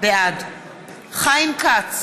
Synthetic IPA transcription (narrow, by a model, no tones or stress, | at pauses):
bead̪ | χajmkat͡s